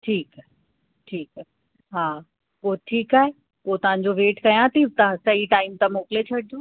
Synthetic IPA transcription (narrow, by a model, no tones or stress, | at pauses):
ʈʰiːkaɦe | ʈʰiːkaːɦe | ɦaː | koʈʰiːkaːɦe | pot̪ɐʋ̤ãɲ̆d͡ʑoʋeːʈkɐjãt̪it̪ɐ̃sɐiʈaːɪmt̪amoːkɪlet͡ɕʰɐɽid̪õː